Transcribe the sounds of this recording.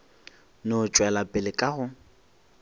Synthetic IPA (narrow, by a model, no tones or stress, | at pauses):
nʊt͡ʃʼwɛlapʼɪlɪkʼaɣʊ